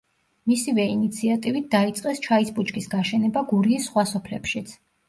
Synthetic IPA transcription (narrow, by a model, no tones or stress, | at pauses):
misivɛinit̪sʰiat̪ʼivit̪̚d̪ait̪sʼqʼɛst͡ʃʰaisbut͡ʃʰʼkʼisɡaʃɛnɛbaɡuɾiːsːχwasɔpʰlɛpʃit̪sʰ